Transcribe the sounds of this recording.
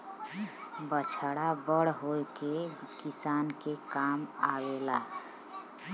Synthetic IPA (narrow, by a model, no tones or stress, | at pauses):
bət͡ʃʰəɽabəɽɦoekekisankekama̰wela̰